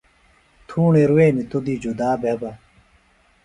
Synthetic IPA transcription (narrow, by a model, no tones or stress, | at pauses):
t̪ʰuːɳeɾuweːnit̪ud̪id͡ʑud̪aːbeba